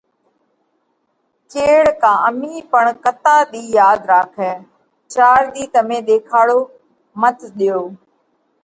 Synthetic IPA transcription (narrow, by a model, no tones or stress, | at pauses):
keːɽkãːəmiːpəɳkət̪aːɗ̪iːjaːd̪ɾaːkʰɛː | t͡ʃaːɾd̪iːt̪əmẽːɗ̪eːkʰaːɽoː | mət̪ʰɗɪjoː